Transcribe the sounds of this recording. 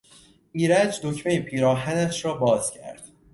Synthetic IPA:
iːɾæd͡ʒd̪ocʰmejipʰiːɾɒːɦænæʃɾɒːbɒːz̥cʰæ̰ɾd̪̥

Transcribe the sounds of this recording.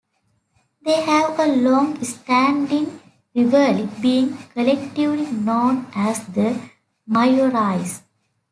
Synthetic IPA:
d̪eːhæʋəlɔ̃ːŋɡsʈæ̃ɳɖɪ̃ŋ | ɾɪʋəlibiːɪ̃ŋkəlɛk̚ʈiʋlinõːnʔæsd̪ə | maɪoɾaɪs

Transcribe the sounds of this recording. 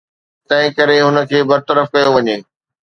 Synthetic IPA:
t̪ɐ̃ɦɪ̃kɐɾeɦʊnə̆kʰeːbɐɾt̪əɾəfkɐjoʋɐɲeː

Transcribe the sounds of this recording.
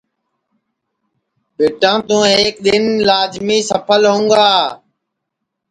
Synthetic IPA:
beːʈãːt̪ũːɦeːk̚ɗ̪ɪnlaːd͡ʒmiːsəpʰəlɦũːɡaː

